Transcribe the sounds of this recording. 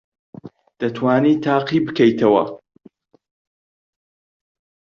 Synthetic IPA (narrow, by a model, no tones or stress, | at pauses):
d̪̥ɐt̪ʰwaːnit̪ʰaːqibɨkʰɐjt̪ʰɐwɐ̰